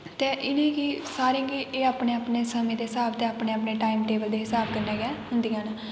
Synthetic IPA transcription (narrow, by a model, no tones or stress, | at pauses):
t̪eːʔɪnẽːɡiːsaːɾĩːɡiʔeːaːpneːaːpneːsəmẽːd̪eːɦɪsaːbt̪eːaːpnẽːaːpneːʈaːimʈeːbəld̪eːɦɪsaːbkəɾnɛːɡɛːɦʊ̃nd̪ijãːn